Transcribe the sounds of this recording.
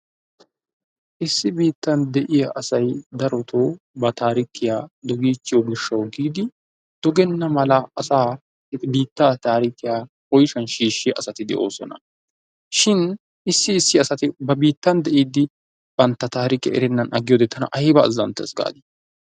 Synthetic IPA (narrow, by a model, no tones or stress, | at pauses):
ʔɪsːɪbiːt̪ːɐnd̪ɛʔɪjaʔɐsɐjd̪ɐɾɔt̪ʰoː | bɐt̪aːɾɪkɪjaːd̪ɔɡiːt͡ʃːɪjɔɡɪʃːɐwɡiːd̪ɪ | d̪̥ɔɡɛnːɐmɐlɐːsaː | biːt̪ːaːt̪aːɾɪkɪjaː | ɔjʃɐnʃiːʃːɪjɐʔɐsɐt̪ɪd̪ɛ̰ʔo̞̰ːsɔ̰nɐ̰ | ʃɪn | ɪsːɪːsːɪɐsɐt̪ɪbɐbiːt̪ːɐnd̪ɛʔiːd̪ɪ | b̥ɐnt̪ːɐt̪aːɾɪkɪjɐ̰ʔɛ̰ɾɛnːɐnʔɐɡːɪjod̪eːt̪ːɐnɐ̰ʔɐjbɐ̰ːzːɐ̰nt̪ːɛ̰sɡa̰ːd̪ɪ